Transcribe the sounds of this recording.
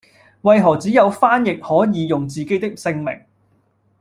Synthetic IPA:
wɐ˨jɦɔː˨˩t͡siː˨˥jɐ˨˧wfaː˥njɪ˨k̚hɔː˨˥jiː˨˧jʊ˨ŋt͡siː˨ke˨˥t̪ɪ˥k̚sɪ˧ŋmɪ̰˨˩ŋ

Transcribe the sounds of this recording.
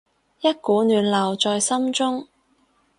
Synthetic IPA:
jɐ˥t̚kuː˨˥nyː˨nlɐ˨˩wt͡sɔː˧jsɐ˥mt͡sʊ˥ŋ

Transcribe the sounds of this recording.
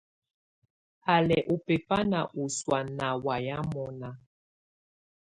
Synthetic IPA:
a˨lɛ˨ʔu˨pɛ˨pa˦na˨ʔu˨swa˨na˨wa˨ja˦mɔ˨na˦

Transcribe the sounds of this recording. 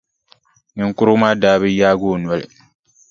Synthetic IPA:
nɪ˨ŋ˨kʊ˦ɾʊ˦maː˦daː˦bɪ˦jaː˦ɡo˦˨nwa˦˨lɪ̰˨

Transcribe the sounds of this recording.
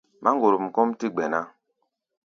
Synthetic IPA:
mʔa˦ŋ˦ɡo˨ɾu˨m̩˨kɔ˦m˦ti˦ɡ͡bɛ˨na˦

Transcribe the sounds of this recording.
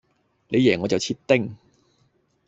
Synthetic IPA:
le˨˧jɛː˨˩ŋɔː˨˧˥t͡sɐ˨wt͡ɕʰiː˧˥t̚t̪ːɪ˥˧ŋ

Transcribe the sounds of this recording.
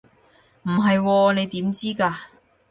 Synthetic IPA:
m̩˨˩ɦɐ˨jwɔː˧ne˨˧jt̪iː˨˥mt͡siː˥kaː˧

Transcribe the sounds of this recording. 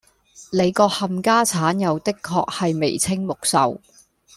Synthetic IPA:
le˨˧jkɔː˧k̚hɐ˨mkaː˥t͡sʰaː˨˥njɐ˨˧wt̪ɪ˥kʰːɔː˧k̚hɐ˨jmḛ˨˩jt͡sʰɪ˥ŋmʊ˨k̚sɐ̰˨w

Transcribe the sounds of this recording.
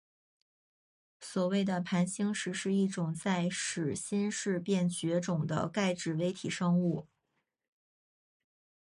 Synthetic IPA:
swɔ˨˩we˥˩ɪd̪ə˩pʰa˧˥nɕi˥ŋʂɻ̩˧˥ʂɻ̩˥˧i˥˩ʈ͡ʂʊ˨˩ŋt͡sa˥˩ɪʂɻ̩˨˩ɕi˥nʂɻ̩˥˧pjɛ˥˩nt͡ɕɥɛ˧˥ʈ͡ʂʊ˨˩ŋd̪ə̰˦ka˥˧ɪʈ͡ʂɻ̩˨˩we˧˥ɪt̪ʰi˨˩ʂɤ˥ŋu˥˩

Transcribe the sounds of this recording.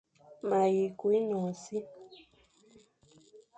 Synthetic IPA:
ma˨ji˨kwi˦nɔ̃˨si˦

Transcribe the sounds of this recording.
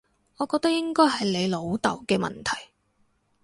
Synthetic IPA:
ŋɔː˨˧kɔː˧k̚t̪ɐ˥jɪ˥ŋkɔː˥jɦɐ˨jle˨˧jlo˨˧wt̪ɐ˨˩wkɛː˧mɐ̰˨nt̪ʰɐ˨˩j

